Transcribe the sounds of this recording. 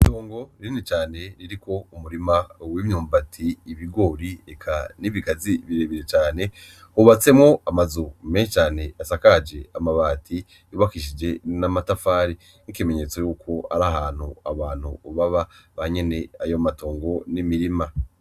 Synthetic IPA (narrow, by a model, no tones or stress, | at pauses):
toːŋɡo̞ɾiinit͡ʃaːne̞ɾiɾikʰo̞umuɾimawimɲuːmbatʰiːβiɡo̞ːɾiekʰa̰niβiɡaziβiɾe̞ːβiɾe̞t͡ʃaːne̞ | huβat͡se̞mŋo̞amazumeʃet͡ʃaːne̞asakad͡ʒe̞amaβaːtʰi | uβakiʃ̬id͡ʒe̞namatafaːɾi | nikime̞ɲe̞t͡so̞juːkʰo̞a̰ɾaɦaːn̥huaβaːn̥hṵβaβaβaɲe̞ne̞ajo̞mato̞ːŋɡo̞nimiɾima